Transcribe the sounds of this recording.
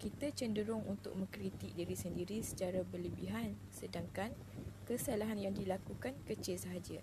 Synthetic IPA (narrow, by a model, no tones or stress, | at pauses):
kit̪at͡ʃəndəɾʊŋunt̪ʊ̰k̚mə̃ŋkɾit̪ik̚diɾisəndiɾisə̥t͡ʃaɾabərləbiɦan | sədaŋkan | kəsalaɦanjaŋdilakukankət͡ʃɪlsəɦad͡ʒa